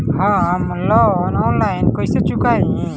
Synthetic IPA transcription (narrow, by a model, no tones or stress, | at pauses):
hɔ̃amunlɔnɔnlajnkɔjset͡ʃukaj